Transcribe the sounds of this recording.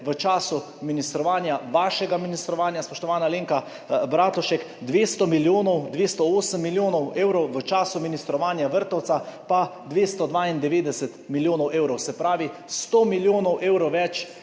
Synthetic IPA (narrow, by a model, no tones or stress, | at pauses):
ʋət͡ʃaːsu | minist̪ɾɔʋaːnjaʋaːʃɛɡaminist̪ɾɔʋaːnjaspɔʃt̪ɔʋaːnaleːŋka | bɾaːt̪lɔʃɛkd̪ʋeːst̪ɔmiljoːnɔwd̪ʋeːst̪ɔoːsəmːiljoːnɔweːwɾɔwʋət͡ʃaːsuminist̪ɾɔʋaːnjaʋəɾt̪ɔwt̪sapad̪ʋeːst̪ɔd̪ʋaind̪ɛʋeːd̪ɛsət̪miljoːnɔwʔeːwɾɔwsɛpɾaːʋist̪oːmiljoːnɔwʔeːwɾɔwʋɛt͡ʃ